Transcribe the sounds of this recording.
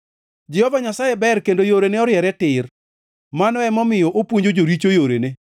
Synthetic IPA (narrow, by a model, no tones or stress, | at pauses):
d͡ʒɛhɔvaɲasajebɛrkendojoɾenɛɔɾjɛɾɛtɪr | manɔɛmɔmɪjɔʔopwoɲd͡ʒod͡ʒoɾit͡ʃojoɾene